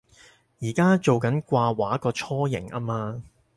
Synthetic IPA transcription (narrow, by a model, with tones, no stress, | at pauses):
jiː˨˩kaː˥t͡so˨wkɐ˨˥nkʷaː˧waː˨˥kɔː˧t͡ʃʰɔː˥jɪ̰˨˩ŋʔa̰ː˥maː˧